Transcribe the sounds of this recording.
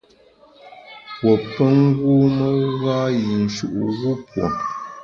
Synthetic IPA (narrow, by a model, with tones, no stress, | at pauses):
wwɔ˨pə˦ŋ˦ɣu˦mə˦ɣa˦ji˨n̩˨ʃu˨ʔṵ˨ɣu˦pwo̰˨